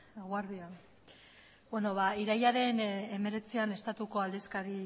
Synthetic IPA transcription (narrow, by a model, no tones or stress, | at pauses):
ɣwaɾðia | bweno̞βaiɾajaɾe̞ne̞me̞ɾe̞t͡siane̞st̪at̪uko̞ald̪eskaɾi